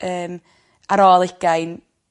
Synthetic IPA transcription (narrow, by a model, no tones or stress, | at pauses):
əːm | aɾɔlˠɪɡ̥ajn